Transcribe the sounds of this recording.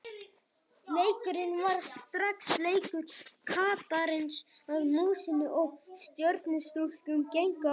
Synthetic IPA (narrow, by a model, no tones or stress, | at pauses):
leːjcɪɾɪnvaɾ̥st̪ɾaksleːjkʏt̪kʰaːt̪aɾɪnsaðmuːsɪnːɪʔɔɣst̪jœɾt̪nɪst̪ɾulcʏmcejŋka